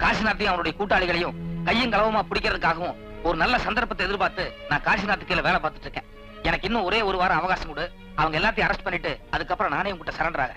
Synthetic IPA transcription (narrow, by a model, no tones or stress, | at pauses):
kaːɾsɪnaːɾt̪ːij̃ɐʋɐnɯɽɐjɐkuːʈːaːɭɪɣɐɭɐjʊ̃kɐjːɯŋkɐɭɐʋɐmaːpʊɽɪkːɪɾɐðɯkːaːɣɐʋʊ̃ | ɔɾɯnɐlːɐsɐnd̪ɐɾpɐt̪ːɐɛðɪɾpaːɾt̪ɯnãːkaːɾsɪnaːɾt̪ːɯkːɐlɐʋeːɭɐpaːɾt̪ɯ̥ʈːɾɯkːḛ̃ː | ɛnɐkːɪnːʊ̃ɔɾeːɔɾɯʋaːɾɐ̃ɐʋɐɣaːsɐmkʊɽɯ | ɐʋɐŋɡɐɛlːaːt̪ɐj̃ɐɾɐsʈpɐɳːɪʈːɯɐðɯkːɐpːɯɾɐ̃naːnɐjʊ̃kʊʈːɐsɐɾɐɳɖɐɾaːɣɐ